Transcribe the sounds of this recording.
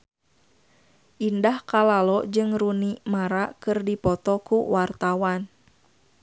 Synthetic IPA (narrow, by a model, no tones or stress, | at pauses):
ʔindahkalalɔd͡ʒɨŋrunimaɾakɨrdipɔt̪ɔkuwart̪awan